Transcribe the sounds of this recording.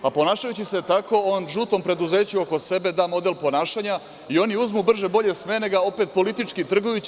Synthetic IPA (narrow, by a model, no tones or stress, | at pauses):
apo̞naːʃajut͡ɕiset̪ako̞onʒut̪o̞mpɾe̞d̪uze̞ːt͡ɕuoko̞se̞be̞d̪aːmo̞d̪e̞lpo̞naːʃaɲa | io̞niuzmubr̩ʒe̞bo̞ʎe̞smene̞ɡao̞pet̪̚po̞lit̪it͡ʂkit̪r̩ɡojut͡ɕ